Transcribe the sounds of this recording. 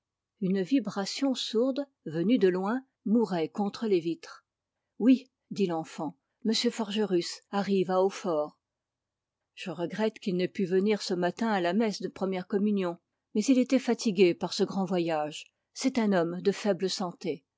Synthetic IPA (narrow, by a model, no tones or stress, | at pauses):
ynvibʁasjɔ̃suʁd̪ | vənyd̪əlwɛ̃ | muʁɛkɔ̃t̪χəlevit̪χ | wi | d̪ilɑ̃fɑ̃ | məsjøfɔʁʒəʁysaʁivaofɔːʁ | ʒ̥əʁəɡʁɛt̪kʲilnɛpyvəniʁsəmat̪ɛ̃alamɛsd̪əpχəmjɛʁkɔmynjɔ̃ | mɛzilet̪ɛfat̪iɡʲepaʁsəɡʁɑ̃vwajaʒ | sɛt̪ɛ̃nɔmd̪əfɛbləsɑ̃t̪e